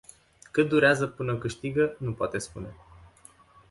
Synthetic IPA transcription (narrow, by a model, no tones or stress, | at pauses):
kɨt̪̚d̪uɾeazəpɨnəokɨʃt̪iɡənupoat̪espune̞